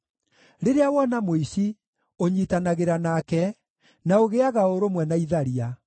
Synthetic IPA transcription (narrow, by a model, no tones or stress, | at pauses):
ɾeɾeawɔnamoisi | oɲitanaɣeɾanakɛ | naoɣeaɣaoɾomwɛnaiðaɾia